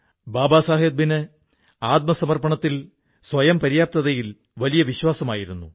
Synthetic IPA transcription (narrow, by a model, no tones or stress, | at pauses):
baːbaːsaːɦed̪̚binɨ | aːt̪̚mɐsɐmɐrpɐɳɐt̪ːil | sʋɐjɐmpɐɾijaːp̚t̪ɐðɐjil | ʋɐlijɐʋiɕwaːsɐmaːjiɾunːṵ